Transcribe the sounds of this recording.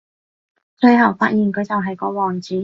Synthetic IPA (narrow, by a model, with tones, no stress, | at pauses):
t͡sɵ˧ɥɦɐ˨˩wfaː˧˥t̚jiː˨˩nkʰɵ˨˧ɥt͡sɐ˨wɦɐ˨jkɔː˨˧wɔː˨˩ŋt͡siː˨˥